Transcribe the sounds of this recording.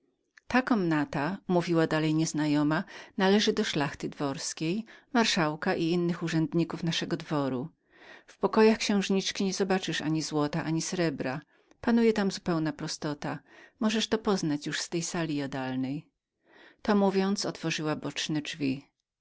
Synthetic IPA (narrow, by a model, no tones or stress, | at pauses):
t̪akɔmnat̪amuvʲiwad̪alɛjɲɛznajɔmanalɛʐɘd̪ɔʂlaxt̪ɘd̪vɔɾskʲejmaɾʂawkaʔiinːɘxuʐɛnd̪ɲikufnaʂɛɡɔd̪vɔɾu | fpɔkɔjaxkɕɛ̃w̃ʐɲit͡ʂkʲiɲɛzɔbat͡ʂɘʂa̰ɲizwɔt̪aʔaɲisɾɛbɾa | panujɛt̪amzupɛwnapɾɔst̪ɔt̪amɔʐɛʂt̪ɔpɔznat͡ɕjuʂst̪ɛjsalʲijad̪alnɛj | t̪ɔmuvʲjɔnt̪sɔt̪fɔʐɘwabɔt͡ʂnɛd͡ʐvʲi